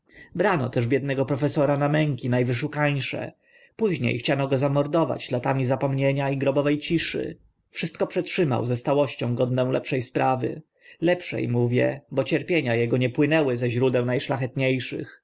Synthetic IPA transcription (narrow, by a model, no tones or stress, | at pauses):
bɾanɔ̰t̪ɛʐbʲjɛd̪nɛɡɔpɾɔfɛsɔɾanamɛŋkʲinajvɘʂukaɲʂɛ̰ | puʑɲḛjxt͡ɕanɔɡɔzamɔɾd̪ɔva̰d͡ʑlat̪amʲizapɔmɲeɲaiɡɾɔbɔvɛjt͡ɕiʂɘ̰ | fʂɘst̪̚kɔpʂɛtʂɘma̰wzɛst̪awɔɕt͡ɕɔ̃w̃ɡɔd̪nɛw̃lɛ̰pʂɛjspɾʔavɘ̰ | lɛpʂɛ̰jmuvʲjɛ̰bɔt͡ɕɛɾpʲjeɲajɛɡɔɲɛpwɘnɛwɘzɛʑɾud̪ɛw̃najʂlaxɛt̪ɲejʂɘ̰x